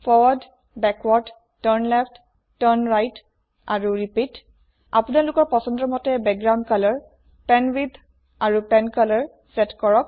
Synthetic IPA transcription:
fʰɔd | bɛkwɔd | tɔɹnlɛpʰtː | ɔɹnɹajt | a̰ɹuɹipit | apunalʊkɔɹpɔsɔndɹɔmɔtɛbɛk̚ɡɹaw̃ndkalɔɹ | pɛnwid̪ʱ | aɹupɛnkalɔɹ | sɛtkɔɹɔk̚

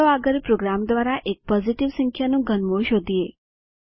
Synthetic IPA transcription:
əʋaɡəɾpɾoɡɾamd̪ʋaɾaʔek̚pɔziʈiʋsə̃ŋkʰjanũɡʱənmoɭʃod̪ʱije

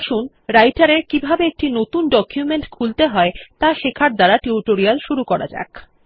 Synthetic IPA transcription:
ʃun | ɾajʈaɾeɾkibʱabeek̚ʈinot̪unɖɔkjumeɳʈkʰult̪eɦɔet̪aʃekʰaɾd̪aɾaʈiuʈoɾialʃuɾukɔɾa̰d͡ʑa̰k

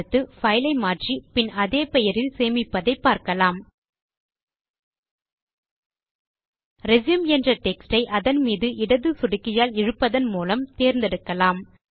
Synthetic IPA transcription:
ɯt̪ːɯfɐɪlɐɪmaːʈripɪnɐðeːpɛjɐɾɪlseːmɪpːɐðɐɪpːaːɾkɐlaːm | ɾɛzjɐmɛndrɐʈɛksʈɐɪʔɐðɐnmiːðɯʔɪɽɐðɯsʊɽɪkːɪjaːlɪɻɯpːɐðɐnmuːlɐmt̪eːɾnd̪ɛɽɯkːɐlaːm

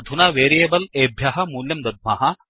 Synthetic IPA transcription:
d̪ʱunɐːʋeːɾijeːbɐleːbʱjɐːɦɐmuːljɐmd̪ɐd̪̚mɐɦɐ

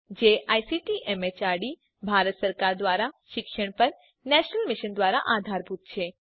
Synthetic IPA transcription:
d͡ʒeʔajsiʈiʔɛmet͡ʃaɽi | bʱaɾət̪səɾkaɾd̪ʋaɾaʃɪkʃəɽ̃pəɾ | nɛʃnəlmɪʃənd̪ʋaɾa̰ʔad̪ʱaɾbʱut̪̚t͡ʃʰe

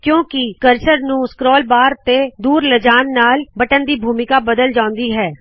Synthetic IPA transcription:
kjõːkɪkəɾʃəɾnũːskɾɔːlbaːɾt̪eːd̪uːɾləd͡ʒaːnːaːlbəʈənd̪iːbʱuːmɪkaːbəd̪əld͡ʒãːʊ̃nd̪iːɦɛː

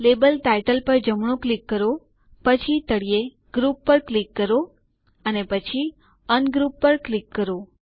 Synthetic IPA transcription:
lebəlʈajʈəlpəɾd͡ʒəmɳ̃õklikːəɾo | pət͡ʃʰit̪əɽije | ɡɾupːəɾklikːəɾo | ənepət͡ʃʰi | ənɡɾupːəɾklikːəɾo

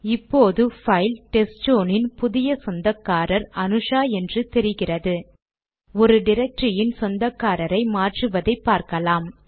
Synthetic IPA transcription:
ɪpːoːðɯfɐɪlʈɛst͡ʃoːnɪnpʊðɪjɐsɔnd̪ɐkːaːɾɐɾɐnɯʂaːɛndrɯt̪ɛɾɪɣɪrɐðɯ | ɔɾɯɖɪɾɛk̚ʈɾɪjɪnsɔnd̪ɐkːaːɾɐɾɐɪmaːʈrɯʋɐðɐɪpːaːɾkɐlaːm

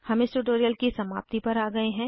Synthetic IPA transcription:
hɐmɪsʈʊʈoːɾijəlkisɐma̰ːp̚t̪ipɐɾaːɡɐeɦɛ̃ː

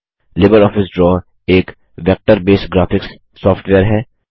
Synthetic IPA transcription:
lɪbəɾɔːfɪsɖɾɔː | eːk | ʋɛk̚ʈəɾbeːsɡɾaːfɪksː | ɔːfʈʋɛːəɾɦɛː

